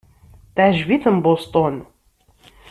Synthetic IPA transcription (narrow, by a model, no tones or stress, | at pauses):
θʕʒviθəmbost̪ˤɔn